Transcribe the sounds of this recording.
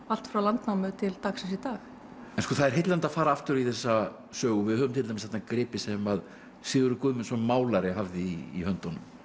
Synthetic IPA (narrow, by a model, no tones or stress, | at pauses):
al̥t̪fɾawlant̪namʏt̪ʰɪlt̪aksɛsit̪aːx | ɛnskɔθaðɛɾ̥ɦɪjt̪lant̪afaːɾaaft̪ʏɾiθɛsːa | sœːɣʏvɪðhœːvʏmt̪ʰɪlajmɪshɛt̪nakɾɪːpɪsɛmað | sɪːɣʏɾʏkʏðmɪnsɔmaːwlaɾɪɦavðɪḭːhœnt̪ɔnːʏm